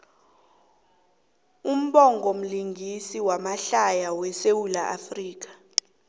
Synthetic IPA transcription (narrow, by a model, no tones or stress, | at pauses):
um̩ɓɔŋɡʱom̩liŋɡʱisiwamaɬajawɛsewulaʔafriːk̬ḁ